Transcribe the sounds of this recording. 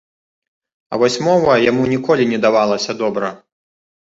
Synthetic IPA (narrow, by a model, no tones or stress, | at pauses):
ɐ̰vɔsʲmɔvɐjamunʲikɔlʲinʲɛd̪avalˠɐsʲɐd̪ɔbɾɐ